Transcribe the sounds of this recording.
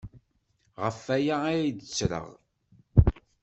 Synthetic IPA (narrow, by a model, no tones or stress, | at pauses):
ʁəfæjaæjd̪ət͡sːɾə̰ʁ